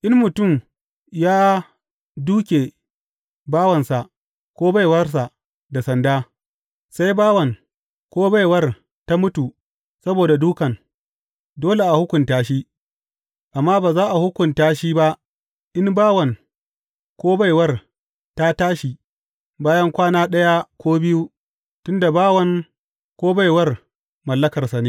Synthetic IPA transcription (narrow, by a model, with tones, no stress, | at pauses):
ʔɪ˦nmʊ˨tʊ˦˨m | jaː˦ | duː˦kʲe˨ | baː˦wɐ˨nsa˨ʔ | kʷoː˦ba˦˨jwɐ˦rs̬a˨ʔ | da˨sɐ˨ndaː˦ | sa˦jbaː˦wɐ˨ŋ | kʷoː˦ba˦jwɐ˦r | ta˦mʊ˦tu˨ | sɐ˦boː˨da˨duː˦kɐ˨ŋ | doː˦le˨ʔa˨hʊ˦kʷʊ˨ntaː˦ʃiː˦ | ʔa˨mːaː˦baː˨zaː˦ʔa˨hʊ˦kʷʊ˨ntaː˦ʃiː˦ba˦ʔ | ʔɪ˦mbaː˦wɐ˨ŋ | kʷoː˦ba˦˨jwɐ˦r | ta˦taː˦ʃi˨ | baː˦jɐ˦ŋkʷaː˦naː˦ɗɐ˦ja˦kʷoː˦bɪ˦ju˦ | tʊ˦nda˨baː˦wɐ˦ŋ | kʷoː˦ba˦˨jwɐ˦r | mɐ˨lːɐ˦kɐ˨rsa˨neː˦